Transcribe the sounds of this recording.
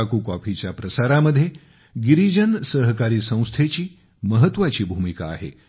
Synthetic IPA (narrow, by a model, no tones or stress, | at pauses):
akuːkɔpit͡ɕjapɾəsaɾaməd̪ʱːje | ɡiɾid͡ʑənsəɦkaɾiːsə̃w̃st̪ʰet͡ɕiː | məɦət̪ːʋat͡ɕiːbʱumika̰ːɦḛ